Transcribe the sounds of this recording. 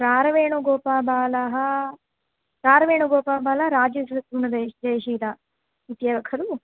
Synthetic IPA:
pɾaːɾɐʋeːɳuɡɔːpaːbaːlɐɦɐ | pɾaːɾɐʋeːɳuɡɔːpaːbaːlɐɦɾaːd͡ʒisɐk̪ɾuɳɐd̪ed͡ʒɐːjʃiːt̪a | ʋit̪jaːɡɐkʰɐɾu

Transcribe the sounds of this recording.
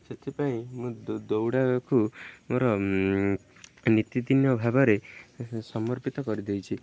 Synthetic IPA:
set̪ʰipaĩmũdd̪owɽakumoɾɔ | nit̪id̪injɔbʱabɔɾesɔmɔɾpit̪ɔkɔɾid̪ejt͡ʃʰi

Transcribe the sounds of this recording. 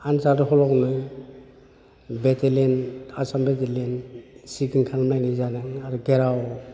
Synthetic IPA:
ansadɯɦɔlawnɯ | betelenasambetelensikiŋkʰaŋmajnizanɯŋaɾuɡeɾaw

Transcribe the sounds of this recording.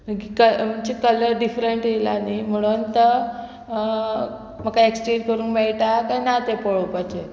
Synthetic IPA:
məkikəmət͡ɕikələɾɖifɾeɳʈjelanim̤əɽ̃unt̪ə | m̤əkaeksʈenkəɾũːnkmeɭʈakajnat̪epəɭopət͡ɕe

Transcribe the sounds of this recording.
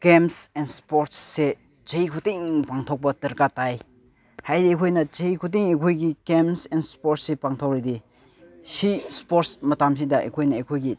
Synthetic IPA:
ɡ̥emsɛnspoɾtsːe | t͡ʃɐikʰutiŋpaŋtʰɔk̚bɐtɐɾkataj | hajdiekʰojnɐt͡ʃɐikʰut̬iŋekʰojɡiɡemsɛnspɔɾtsepaŋtʰɔk̚ɾide | sispoɾsmɐtams̬idɐʔḛkʰojnɐekʰojɡi

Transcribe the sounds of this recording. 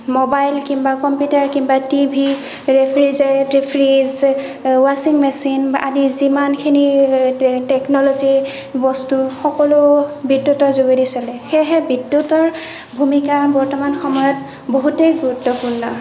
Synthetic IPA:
mobajlkimbakɔmpjutaɹkimbatibʱi | ɹepʰɹizɛtɹipʰɹiz | wasiŋmɛsina̰dizimankʰini | tɛknɔlɔzi | bɔstuxɔkɔlʊbidːutɔɹzoɡidisalɛxɛɦɛbidːjutɔɹ | bʱumikabɔɹtɔmanxɔmɔjɔt | boɦutejɡuɹutːɔpuɹnɔ

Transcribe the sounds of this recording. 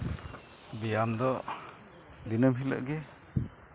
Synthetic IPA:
bijamd̪ɔ | d̪inəmɦilə̰ʔɡɛ

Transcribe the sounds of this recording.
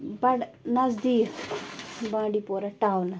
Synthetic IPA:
bɐɽnɐzd̪i | bãːɖipoɾaʈawna

